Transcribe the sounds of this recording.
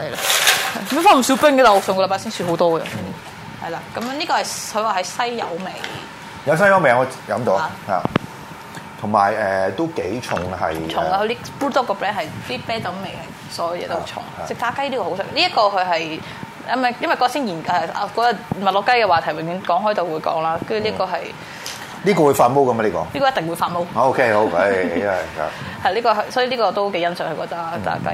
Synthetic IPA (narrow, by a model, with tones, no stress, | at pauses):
hɐ˨jla˧hɐ˨˧m˥faː˨˥m̩˨˩sy˨˥wpɪ˥ŋkɛ˧ta˨˩˨sʰʊ˨˩ŋkːljpaː˨˥siː˥syː˧˩ɦo˨˥wt̪ɔː˥ɡɐ̰˧˥mɛ˥ | hɐ˨jlaː˨˧kɐ˨˦m˧˥niː˥kɔː˧hɐ˨˩jkʰɵ˧˥waː˨˩hɐ˨jsɐ˥jːɐ̰˨˧wme˨˩j | jɐ˨˧ws̬ɐ˥jɐ˨˧wme˨jŋɔː˨˧jɐ̰˨˥mt̪o˨˧wha̰ː˨ | t̪ʰʊ˨˩ŋma̰ː˨˩jɛː˨t̪o˥wke˨˥jt͡ʃʰʊ˨˩ŋhɐ̰˨jt͡ʃʰʊ˨ŋa˧hɵ˧˥t̪iː˥puː˥t̪ɔː˥kːɔː˧pɹɛː˥nhɐ˨jiː˥pɛː˥t͡sɐ˨˥wme˨˩jhɐ˨j | sɔː˨˥jɐ˨˩wjɛ̰ː˧t̪o˥˩t͡ʃʰʊ̰˨˩ŋt͡sɪ˨˩k̚t̪aː˨˥kɐ˥jli˥kɔː˧˩o˨˥wsɪ˥kliː˥jɐ˥t̚kɔː˧kʰɵ˨˧ɥɦɐ˨j | ɐ˥mɛ˥˩jɐ˥nwɐ˨jkɔː˧siː˥njiː˨˩nɛː˨˧kɔː˨˥jɐ˨˧mɐ˨t̚lɔ˨˧kːɐ˥jkɛː˧waː˨˩t̪ʰɐ˨˩jwɪ˨˩ŋjy˨˧˥nkɔː˨˧˥ŋɦɔː˨˥jt̪o˨wuː˨˧jkɔ̰ː˨˥ŋlaː˥kɐ˥jy˨˧liː˥kɔː˧ɦɐ˨j | liː˥kɔː˧wu˨˧˥faː˧nmo˥wkɐ˧ma˧liː˥kɔ̰ː˧li˥kːɔ˧˦jɐ˥t̪ŋwu˨˧jfaː˧nmo˥wo˧kʰe˥o˨˥wkːa̰˧˥ | hɐ˩ja˨liː˥kɔː˧ɦsɔː˨˥jliː˥kɔː˧t̪o˥wke˨˥jɐ˥nsœː˨˥ŋhɵ˧˩kɔː˧˥t̪ɐ˥t̪a̰ː˧˥kɐ̰˥